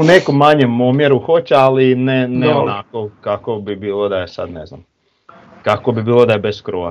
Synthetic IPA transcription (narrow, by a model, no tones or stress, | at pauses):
unekomːaɲemomjeɾuxo̞t͡ɕealineneonako̞kakobibiːlˠod̪ajesa̰d̪ne̞zna̰m | kakobibiːlˠod̪aje̞beskɾoʋa̰